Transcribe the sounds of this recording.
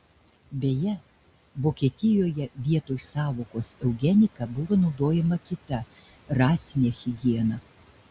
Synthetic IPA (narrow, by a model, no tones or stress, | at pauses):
bʲeːjɛ | ʋoːkʲiːt̪ʲɪjoːjɛʋʲiɛt̪oːjsɑːʋoːkoːsɛʊɡʲɛnʲɪkɐbʊʋoːnɒʊd̪oːjɛmɐkʲɪt̪ɐ | ɾɑːsʲɪnʲeːxʲɪɡʲiɛnɑ